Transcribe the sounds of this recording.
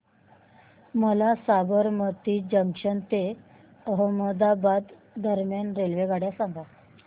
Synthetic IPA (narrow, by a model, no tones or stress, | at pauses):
məlasabəɾmət̪iːd͡ʑəŋkʂənt̪e | əɦəməd̪abad̪ː | əɾmjanɾelʋeɡaɽjasaŋɡa